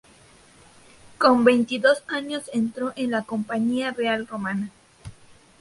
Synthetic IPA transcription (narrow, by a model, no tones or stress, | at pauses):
ko̞mbe̞jnt̪iðo̞saɲo̞se̞nt̪ɾo̞ʔenlako̞mpaɲiarealro̞mana